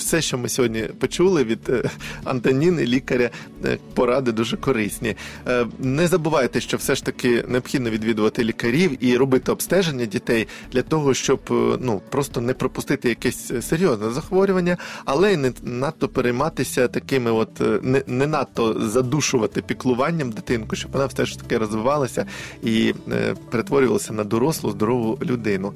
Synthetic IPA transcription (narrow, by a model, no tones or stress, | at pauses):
sɛʃt͡ʃɔmɪsʲɔɦɔdʲnʲipɔt͡ʃulˠɪʋʲid̪̥ɐ̰nt̪ɐnʲinɪlʲikɐɾʲɐ | pɔɾɑd̪ɪd̪uʒɛkɔɾɪsʲnʲi | nɛzɐbʊʋɑjɪt̪ɛʃt͡ʃɔwsɛʃt̪ɐkɪneɔb̥xʲid̪nɔʋʲid̪ʋʲid̪ʊʋɐt̪ɪlʲikɐɾʲiwiɾɔbɪt̪ɪɔbst̪ɛʒenʲːɐdʲit̪ɛj | d̪lʲɐt̪ɔɦɔʃt͡ʃɔbnupɾɔst̪ɔnɛpɾɔpʊst̪ɪt̪ɪjɐkɛsʲseɾʲjɔznɛzɐxʋɔɾʲʊʋɐnʲːɐɐlˠɛnɛnɑt̪ːɔpeɾejmɑt̪ɪsʲɐt̪ɐkɪmɪɔt̪nɛnɛnɑt̪ːɔzɐd̪uʃʊʋɐt̪ɪpʲiklˠʊʋɑnʲːɐmd̪ɪt̪ɪnkʊʃt͡ʃɔb̥ʋɔnɑfsɛʃt̪ɐ̥kɪɾɔzʋɪʋɑlˠɐsʲɐi | peɾet̪ʋɔɾʲʊʋɐlˠɐsʲɐnɐd̪ɔɾɔslˠʊzd̪ɔɾɔʋʊlʲʊd̪ɪnʊ